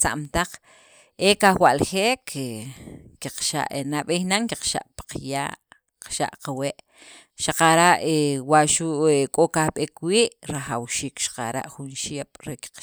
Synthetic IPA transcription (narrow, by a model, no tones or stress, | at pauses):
t͡sa̰ʔmt̪aq͡χ | ekawaʔlxeːkʰekiqʃa̰ʔenaɓehnaŋkiqʃa̰ʔpḁqja̰ːʔ | qḁʃa̰ʔqaweʔ | ʃaqaɾaʔewaʔʃuʔekʼokahɓekwiːʔɾaχawʃiːkʃḁqa̰ɾa̰ʔxunʃeɓ̥ɾeki̥q